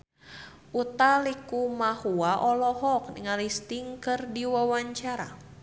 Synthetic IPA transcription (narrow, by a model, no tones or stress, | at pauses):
ʔut̪alikumahuaʔɔlɔɦɔk̚ŋalist̪iŋkɨrdiwawaɲt͡ʃaɾa̰